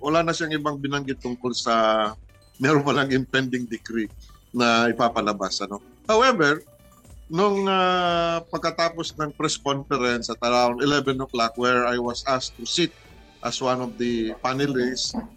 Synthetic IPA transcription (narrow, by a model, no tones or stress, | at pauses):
wɐlaːnɐʃaɐŋɪbaŋbɪnɐŋɡɪt̪ːʊŋkolsɐ | mɛːɾonpɐlaŋɪnt̪ɛnd̪ɪŋd̪ɪkɾinɐɪpaːpɐlɐbasɐno̞ | hawɛvɛɹ | nʊŋapɐɡ̚kɐt̪aːposnɐŋpɾɛskonfɛɾɛnsɐt̪ɐɾaʊ̃nt̪ɪlɛvɛ̃noklak̚wɛɹajwɐsʔast̪ʊsit̪̚ | ʔɐswanɔvd̪ɐpanɪlis